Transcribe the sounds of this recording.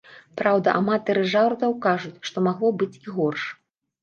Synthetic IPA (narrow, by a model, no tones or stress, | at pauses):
pɾawd̪ɐʔamat̪ɐɾɨʐawɾt̪ɐwkaʐut͡sʲʂt̪ɔmaɣlˠɔbɨt͡sʲiɣɔrʂ